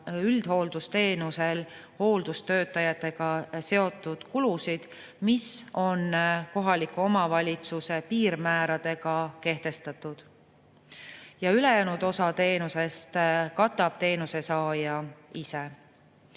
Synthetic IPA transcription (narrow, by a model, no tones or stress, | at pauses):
yld̪̥ho̞ːld̪̥ust̪e̞ːnuse̞l | ho̞ːld̪̥ust̪ø̞ːt̪ːˑɑjɑt̪ːˑe̞ɡ̥ɑse̞o̞t̪ːˑud̪̥kulusid̪̥ | miso̞nko̞ɦɑlikuo̞mɑvɑlʲit̪suse̞piːɾmæːɾɑd̪̥e̞ɡ̥ɑke̞ht̪e̞st̪ɑt̪ːˑud̪̥ | jɑyle̞jæːnud̪o̞sɑt̪e̞ːnuse̞st̪kɑt̪ːˑɑb̥̚t̪e̞ːnuse̞sɑːjɑise